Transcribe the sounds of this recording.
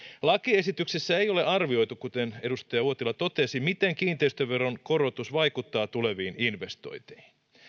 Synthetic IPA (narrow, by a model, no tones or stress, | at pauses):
lɑkiesit̪yksesːæejo̞leʔɑrʋio̞jt̪ukut̪ene̞dust̪ɑjɑuot̪ilɑt̪o̞t̪esimit̪eŋkiːnt̪eist̪øʋʋe̞ronko̞ɾo̞t̪usʋɑjkut̪ːɑːt̪ule̞ʋiːninʋest̪o̞̰jt̪i̥hin